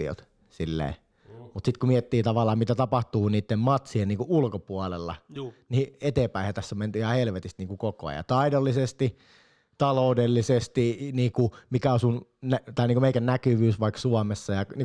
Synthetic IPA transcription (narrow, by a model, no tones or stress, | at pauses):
io̰t̪ | silːḛː | mut̪sit̪kumiɛt̪ːiːt̪ɑʋɑlːˑɑːmmit̪æt̪ɑpɑht̪uːniːt̪ːemmɑt̪sieniːŋkuʔulkopuɑlelːɑ̰niet̪eːmpæˑihæt̪æsːæment̪yhɑhelʋet̪ist̪niːŋkukoko̰ɑ̰jɑ̰t̪ɑidolːisest̪i | t̪ɑloˑudelːisest̪iniːkumikæosunnæt̪ɑˑiniːŋkumeikænnækyʋyːsʋɑiksuɑmesːɑjɑni